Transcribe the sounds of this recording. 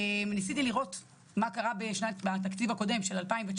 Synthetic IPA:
emnisit̪iliʁo̞t | makaʁabeʃnabat̪̬akt͡sivako̞de̞mʃe̞lalpaimvet͡ʃ

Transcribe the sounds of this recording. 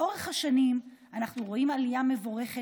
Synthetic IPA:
ʔo̞ʁeχhaʃanim | anaχnuʁo̞imalijame̞vo̞ʁe̞χe

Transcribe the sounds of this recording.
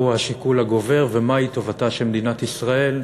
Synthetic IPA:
uhaʃikulaɡo̞ve̞ʁvemait̪o̞vataʃemed̪inat̪isʁae̞l

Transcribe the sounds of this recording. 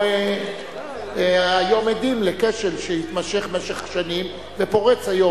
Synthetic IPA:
ajo̞med̪imlekeʃelʃehit̪maʃe̞χmeʃeχʃanim | vepo̞ʁet͡shajo̞

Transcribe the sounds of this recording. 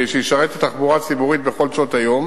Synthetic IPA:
ʃejiʃaʁet̪et̪aχbuʁat͡sibuʁit̪be̞χo̞lt͡sot̪ajo̞m

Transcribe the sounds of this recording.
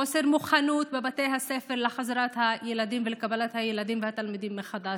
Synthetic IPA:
oseɾmuχanut̪̚bebat̪ejɦasefeɾlexazaɾat̪hajelad̪imvelekabalat̪hajelad̪imvehat̪almid̪imːexad̪a

